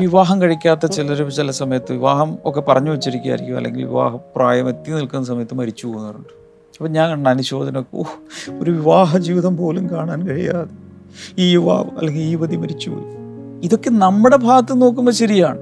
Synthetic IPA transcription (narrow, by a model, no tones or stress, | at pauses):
ʋiʋaːɦɐmkɐɻikʲːaːt̪ːɐt͡ɕilɐɾut͡ɕilɐsɐmɐjɐt̪ːɨʋiʋaːɦɐmo̞kːe̞pɐrɐɲːuʋɐt͡ɕːiɾikʲːa̰ːjiɾikʲːumɐ̰lːḛŋɡilʋḭʋa̰ːɦɐpraːjɐmet̪ːinilkunːɐs̬ɐmɐjɐt̪ːɨmɐɾit͡ɕːupoːɣunːɐðuɳɖɨ | ɐpːɐɲaːnkɐɳɳɐnuɕo̞ːd̪ʱɐnɐokːeoːoɾuʋiʋaːɦɐd͡ʑiːʋiðɐmpo̞ːlumkaːɳaːnkɐɻḭja̰ːðe | iːʋa̰ːɐ̰lːe̞ŋɡiliːʋɐðimɐɾit͡ɕːupo̰luiðo̞kːe̞nɐmːuɽe̞bʱaːɣɐt̪ːɨno̞ːkːumbɐɕɐɾijaːɳɨ